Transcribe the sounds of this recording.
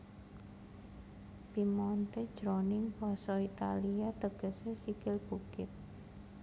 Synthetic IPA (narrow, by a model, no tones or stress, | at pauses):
pimɔnt̪ed̥ʒ̥ɾonɪŋpɔsɔit̪aliat̪əɡ̥ə̤sesikɪlb̥ukɪt̪̚